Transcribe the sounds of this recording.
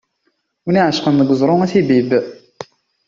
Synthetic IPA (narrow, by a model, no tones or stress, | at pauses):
wəniʕəʃqənðəɡəzˤɾˤʊæθibib